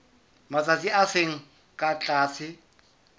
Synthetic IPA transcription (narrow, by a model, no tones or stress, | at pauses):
mat͡sʼat͡siaseŋ̩ | kʼat͡ɬʼaːsɪ